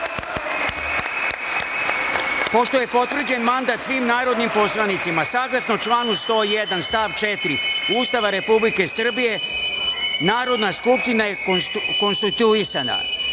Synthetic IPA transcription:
po̞ʃt̪oje̞po̞t̪vr̩d͡ʑe̞nmand̪at̪sʋiːmnaːɾo̞d̪nimpo̞slˠanit̪simasaːɡlˠasnot͡ʃlˠaːnust̪o̞ːjed̪anst̪aːʋt͡ʃet̪ɾiuːst̪aʋaɾe̞publike̞sr̩bije̞ | naːɾo̞d̪naskupʃt̪inajeko̞nst̪it̪uisana̰

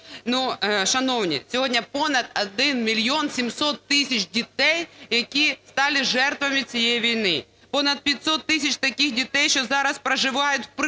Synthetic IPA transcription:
nuʃɐnɔwnʲḭsʲɔɦɔdʲnʲɐpɔnɐd̪̚ɐd̪ɪnmʲilʲjɔnsʲimsɔt̪ːɪsʲɐt͡ʃdʲit̪ɛjjɐkʲist̪ɑlʲɪʒɛrt̪ʋɐmʲɪt͡sʲijejiʋʲijnɪ | pɔnɐd̪̚pʲjɐtʲsɔt̪ːɪsʲɐt͡ʃt̪ɐkʲixdʲit̪ɛjʃt͡ʃɔzɑɾɐspɾɐʒɪʋɑjʊtʲp

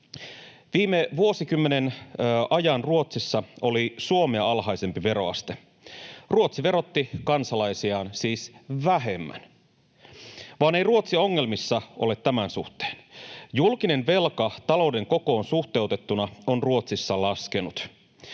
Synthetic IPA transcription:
ʋiːmeʋuosikymːenenɑjɑnruot̪sisːɑo̞lisuomeɑɑlɦɑjse̞mpiʋe̞ɾo̞ɑ̰st̪e | ruot̪siʋe̞ɾo̞t̪ːikɑnsɑlɑjsiɑːnsiːsʋæɦe̞mːæ̰n | ʋɑːne̞jruo̞t̪sio̞ŋːe̞lmisːɑʔo̞le̞t̪t̪ːæmænsuht̪e̥ːnjulkine̞nʋe̞lkɑt̪ɑlo̞wde̞ŋko̞ko̞ːnsuxt̪e̞uwt̪e̞t̪ːunɑo̞nruot̪sisːɑlɑske̞nut̪

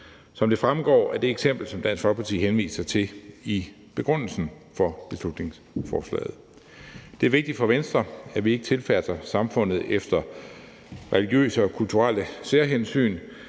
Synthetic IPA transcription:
sɒ̽md̥e̝fʁamɡ̥ɒ̰ːæɐd̥eeɡ̥sem̰b̥l̩sɒ̽md̥æn̰sɡ̥fɒ̽lɡ̥̚pʰɑ̈t͡sʰḭːɦenʋḭːsɐt͡sʰe̝i | b̥e̝ɡ̥ʁɔ̽n̰l̩sn̩ | fɒ̽b̥e̝slud̥ne̝ŋs | fɒːslɛ̰ːð̞̩ˠ | d̥eæɐʋe̝ɡ̥̚d̥i̥fɒ̽ʋensd̥ʁɐæʋie̝ɡ̥ə̥t͡sʰe̝lfæsɐsɑ̈mfɔ̽n̰ð̞̩ˠefd̥ɐ | ʁɛliɡ̥jø̰ːsəɒ̽kʰult͡sʰuʁal̰əse̝ɐɦensy̰ːn

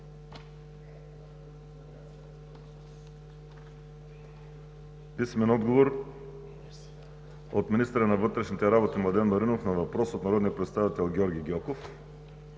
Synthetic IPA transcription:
pismɛnɔd̪ɡovoɾ | ot̪minist̪ɛɾənavɤt̪ɾɛʃnit̪ɛɾabot̪imlˠad̪ɛnmoɾinofnavapɾɔsot̪naɐɾɔd̪nijəpɾɛt̪st̪avit̪ɛlˠɡʲɔɾɡʲiɡʲɔkof

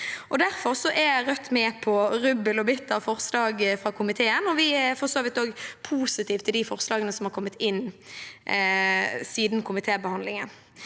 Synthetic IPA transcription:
ʔɔd̪æɾfɔɾsɔʔɛjæɾœt̪ːmɛːpʰɔʁʉbːəlɔbʏt̪ːɑʋfɔʁslɑːɡfʁɑkʰʊmɪt̪ʰeːənɔʋɪɛfɔʁsoːʋɪt̪oːɡpʰuːsɪt̪iːʋt̪ʰːɪld̪ifɔɾslɑːɡənəsɔmhɑɾkʰɔmːət̪ɪn | siːd̪nkʰʊmɪt̪ʰeːbəhɑnd̪lɪŋən

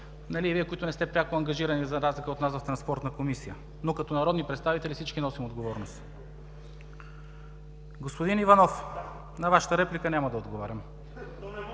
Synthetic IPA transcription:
nɐliviɛkoit̪ʊnɛst̪ɛpɾʲakʊɐŋɡɐʒiɾɐnizɐɾazlʲikəot̪nasvɐft̪ɾɐnspɔɾt̪nɐkomisijə | nokɐt̪ɔnɐɾɔd̪nipɾɛt̪st̪avit̪ɛlʲifsit͡ʃkinɔsimod̪ɡovɔɾnost̪ | ɡospod̪inivɐnɔf | nɐvaʃə̥t̪əɾɛplikənʲamɐd̪ɐod̪ɡovaɾʲɐm

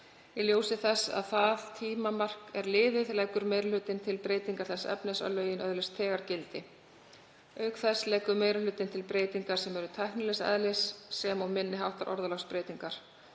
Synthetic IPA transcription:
iljoːwsɪθɛsːa̰ðθaðt̪ʰiːmamar̥kɛɾlɪːvɪðlajkʏɾmeːjɾalʏːt̪ɪnt̪ʰɪlpɾeːjt̪iŋkaɾ̥θɛsːɛ̰pnɪsa̰wlœːjɪnʔœðlɛst̪ʰɛːɣaɾ̥cɪlt̪ɪ | œːɥkθɛslɛːkʏmeːjɾalʏːt̪ɪnt̪ʰɪlpɾeːjt̪iŋkaɾ̥sɛmɛɾʏt̪ʰajhknɪlɛsɛ̰ðlɛsːɛmawmɪnːɪɦawht̪aɾʔɔ̰ɾðalawspɾeːjt̪iŋkaɾ̥

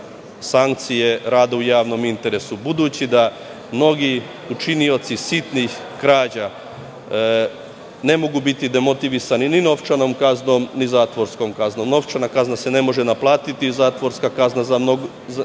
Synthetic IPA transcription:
saŋk̚t̪sije̞ɾaːd̪aujaːʋno̞mint̪e̞ɾe̞subud̪uːt͡ɕid̪a | mno̞ɡi | ut͡ʃinio̞t̪sisit̪nix | kɾaːd͡ʑa | ne̞mo̞ɡubit̪id̪e̞mo̞t̪iʋisaninino̞ʋt͡ʃano̞mkazno̞mnizaːt̪ʋo̞ɾsko̞mkazno̞mno̞ʋt͡ʃanakaznase̞ne̞mo̞ʒenaplˠaːt̪it̪izaːt̪ʋo̞ɾskakaznazamnoɡ | z

